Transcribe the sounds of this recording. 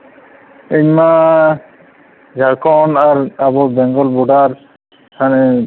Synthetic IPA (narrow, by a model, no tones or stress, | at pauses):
eɲma | d͡ʒʱakʰɔnaɾabɔɾbɛŋɡɔlbuɖaɾ | kʰanɛ